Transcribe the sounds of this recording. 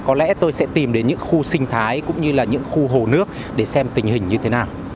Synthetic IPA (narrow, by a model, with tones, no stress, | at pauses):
kɔ˨˦lɛ̰˧˥t̪o˧jsɛ̰˧˥t̪i˨˩mɗe˨˦nɲɨ̰˧˥ŋxu˧sï˧ŋ̟t̪ʰaː˨˦jkʊ̰˧˥ŋ͡mɲɨ˧laː˨˩ɲɨ̰˧˥ŋxu˧ɦo˨˩nɨ˦˥ək̚ | ɗe˧˩sɛ˧mt̪ï˨˩ŋ̟hï̟˨˩ɲɨ˧t̪ʰe˨˦naː˨˩w